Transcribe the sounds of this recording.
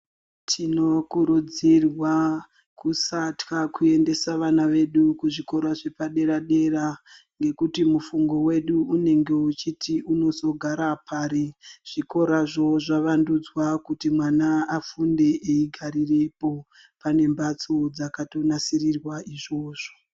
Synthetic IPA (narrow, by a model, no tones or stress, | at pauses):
tʰino̞kuɾud͡zirwa | kusatkakue̞nde̞saʋanaʋe̞ɗukuʐiko̞ɾaʐe̞paɗe̞ɾaɗe̞ra | ŋɡe̞kutimufuŋɡo̞we̞ɗuːne̞ŋɡe̞ut͡ʃitʰiʔuno̞so̞ɡʱaɾapaːɾeʐ̥iko̞ɾaʐo̞ʐaʋandud͡zwakutimwanaafunde̞ʔeiɡʱaɾirepo̞ | pane̞mbat͡so̞d͡zakato̞nasirirwaiʐo̞ːʐo̥